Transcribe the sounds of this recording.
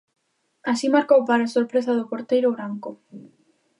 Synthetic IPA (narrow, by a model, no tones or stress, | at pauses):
asimaɾkowpaɾaːsoɾpɾes̬aðopoɾt̪ejɾʊβɾaŋkʊ